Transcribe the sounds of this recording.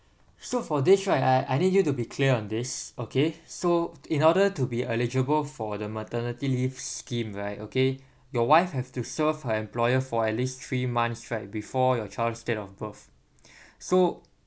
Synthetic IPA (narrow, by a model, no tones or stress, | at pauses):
sofɔdɪsɹaɪaɪʔajnidjutubikʰliəɔ̃ndɪsokʰeːoĩnɔɾətubiʔɛlid͡ʒəbəlfɔdəmətənitilifskĩmɹaɪtoke | jɔwaɪfhɛvtusəvhəɛ̃mplɔjəfɔɛt̚list̪ɹimãnsɹaɪt̚bifɔjɔt͡ʃaɪldstetɔfbəθ | so